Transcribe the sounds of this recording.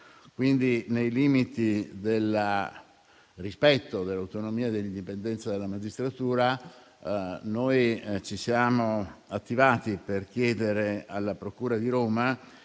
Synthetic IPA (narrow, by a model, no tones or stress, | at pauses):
kwind̪inejliːmit̪id̪el | rispɛt̪ːod̪elːawt̪onomiːad̪elːind̪ipend̪ɛnsad̪elːamad͡ʒist̪ɾat̪uːɾa | nojt͡ʃisjaːmoat̪ːivaːt̪iperkjeːd̪eɾealːapɾokuːɾad̪iɾoːma